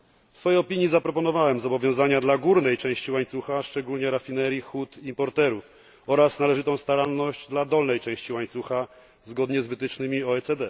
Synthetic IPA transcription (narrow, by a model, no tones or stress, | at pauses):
fsfɔjejɔpʲiɲjizapɾɔpɔn̪ɔvawɛmzɔbɔvʲjɔ̃w̃zaɲad̪laɡuɾnɛjt͡ʂɛ̃w̃ɕt͡ɕiwaɲt̪suxaʂt͡ʂɛɡulɲɛɾafʲinɛɾʲjixut̪impɔɾt̪ɛɾuf | ɔɾasnalɛʐɘt̪ɔ̃w̃st̪aɾalnɔʑd͡ʑd̪lad̪ɔlnɛjt͡ʂɛ̃w̃ɕt͡ɕiwaɲt̪suxa | zɡɔd̪ɲɛzvɘt̪ɘt͡ʂnɘmʲiɔɛt̪sɛd̪ɛ